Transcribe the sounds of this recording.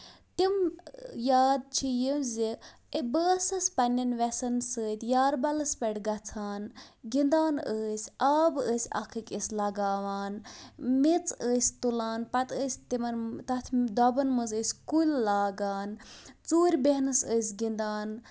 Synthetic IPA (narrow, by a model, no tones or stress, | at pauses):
t̪imjaːd̪̚t͡ʃʰijimzi | əbəːsɐsʲpɐnʲɐnʋɛsɐnsəːt̪ʲjaːɾbɐlɐspʲɐʈɡɐt͡sʰaːnɡind̪aːnəːsʲʔaːbəːsʲɐ̰kʰɨkʲʼisʲlɐɡaːʋaːnmit͡səːsʲt̪ulaːnpɐt̪əːsʲt̪imɐnt̪ɐt̪ʰd̪ɔbɐnmɨzəːsʲkulʲːaːɡaːnt͡suːɾʲbeɦnɨsəːsʲɡind̪aːn